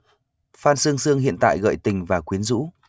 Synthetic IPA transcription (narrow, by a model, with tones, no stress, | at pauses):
faː˧nsɨ˧əŋsɨ˧əŋhḭ˧˨ənt̪a̰ː˧˨jɣə̰ː˧˨jt̪ï˨˩ŋ̟vaː˨˩kwi˨˦ənzṵ˧˥